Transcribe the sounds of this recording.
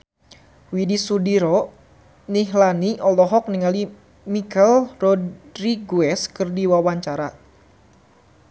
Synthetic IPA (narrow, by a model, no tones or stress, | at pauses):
widisudiɾɔ | niɦlaniʔɔlɔɦɔk̚niŋali | mikɛlrɔɾiɡuɛskɨrdiwawaɲt͡ʃaɾa